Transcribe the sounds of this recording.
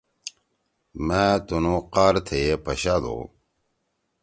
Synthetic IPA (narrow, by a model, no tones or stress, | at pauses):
mãt̪unoqaːɾt̪ʰejepɐɕad̪o̰